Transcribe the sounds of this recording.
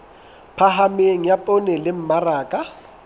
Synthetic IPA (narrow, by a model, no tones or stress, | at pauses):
pʰaɦameŋ̩japʼonɛlɪm̩maraːkʼa